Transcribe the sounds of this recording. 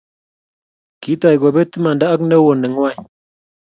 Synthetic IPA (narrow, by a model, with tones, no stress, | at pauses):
ki˨˦t̪a˨jɡo˨be˦t̪ə˦ma˨nda˦a˦knə˦wo˨nə˨ŋ˦wa˦˨j